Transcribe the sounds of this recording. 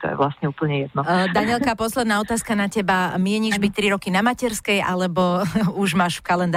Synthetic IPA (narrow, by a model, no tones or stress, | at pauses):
t̪ɔ̰jɛ̰ʋlasɲɛuːpl̩ɲɛjɛd̪̚nɔd̪aɲɪɛlkapɔslɛd̪naːɔt̪aːskanacɛbamɪɛɲiʒbict̪ɾiɾɔkinamacɛɾskɛjʔa̰lɛbɔuʒmaːʃfkalɛnd̪